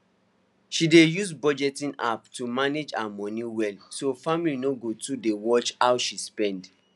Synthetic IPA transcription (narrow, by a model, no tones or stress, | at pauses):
ʃidejusbɔd͡ʒɛtĩna̰ptumaned͡ʒa̰amɔ̃niwɛlsofamilinoɡotudewɔt͡ʃawʃispɛ̃nd